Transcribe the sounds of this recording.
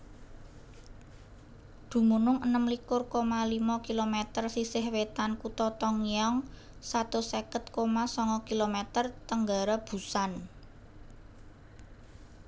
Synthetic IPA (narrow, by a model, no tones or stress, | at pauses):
d̪̥ṳmunʊŋənəmlikʊrkomalimɔkilomɛt̪ərsisɪhwet̪ankut̪ɔt̪ɔŋiɔŋ | sat̪usekət̪̚komasɔŋkɔkilomɛt̪ərt̪əŋɡa̤ɾab̥ṳsan